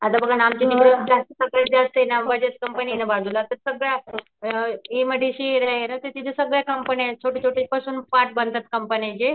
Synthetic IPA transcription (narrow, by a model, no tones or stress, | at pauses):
at̪abəɡʱanamt͡ɕenikɾəd͡zast̪əsəɡɭed͡zast̪enambəd͡ʑet̪̚kəmpəninəbad̪ulat̪əɾsəɡɭja | eməd̪ʱeɕiɾaɦenət̪et̪it̪ʰesəɡɭjakəmpənat͡ɕʰoʈʰit͡ɕʰoʈepasuːnfaʈ̚bənd̪ət̪̚kəmpənet͡ɕe